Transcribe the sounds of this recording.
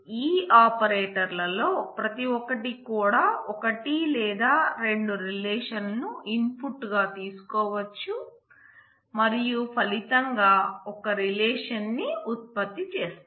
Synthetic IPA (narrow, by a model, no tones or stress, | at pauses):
iːaːpɐɾeːʈɐɾlɐlo̞ːpɾɐt̪iɔkɐʈikuːɽaːɔkɐʈilɛːd̪aːɾe̞ɳɖuɾilɛːʂɐnnuinpʰuʈːɡaːt̪iːsu̥kɔːʋɐt͡ʃːu | mɐɾijupʰɐlit̪ɐŋɡaːɔkɐɾilɛːʂɐnːiut̪̚pɐt̪ːit͡ʃeːs